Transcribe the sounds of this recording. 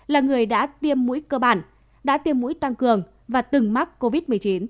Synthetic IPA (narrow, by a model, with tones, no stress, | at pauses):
laː˨˩ŋɨ˨˩əjɗa̰ː˧˥t̪i˧əmːṵ˧˥jkəː˧ɓaː˧˩n | ɗa̰ː˧˥t̪i˧əmːṵ˧˥jt̪a˧ŋkɨ˨˩əŋ | vaː˨˩t̪ɨ˨˩ŋma˦˥k̚ko˧vi˦˥t̚mɨ˨˩ə˩jt͡ɕi˨˦n